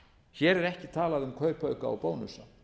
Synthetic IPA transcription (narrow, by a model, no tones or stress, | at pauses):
çɛːɾɛɾɛhcɪt̪ʰaːlaðʏmkʰœɥɾpʰœɥkaa̰wpoːwnʏsa